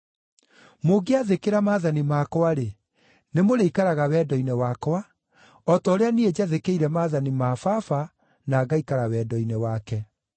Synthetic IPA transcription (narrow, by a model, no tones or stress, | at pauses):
moɡeaðekeɾamaːðanimaːkɔwaɾe | nemoɾeikaɾaɣawɛːdɔinɛwaːkwa | ɔtɔːɾeanied͡ʑaðekeiɾɛmaːðanimafafa | naːɡaikaɾawɛːdɔinɛwaːkɛ